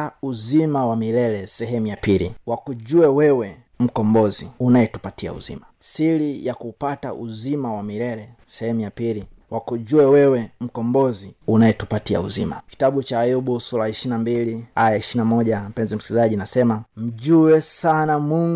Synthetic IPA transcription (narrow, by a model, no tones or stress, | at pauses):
auzimawamilɛlɛsɛɦɛmujapiliwakuʄuɛwɛwɛ | m̩kɔmbɔziunaɛtu̥patia̰ṵzḭmasilijakuːpata̰ʔṵzimawamilɛlɛ | sɛhɛmujapili | wakuʄuɛwɛwɛm̩kɔmbɔziunajɛtupatia̰ṵzimaki̥taɓut͡ʃaːjuɓusuɾaiʃinambiliajaiʃinamɔʄam̩pɛnzɛm̩si̥kizaʄinasɛmam̩ʄuɛsanamuŋ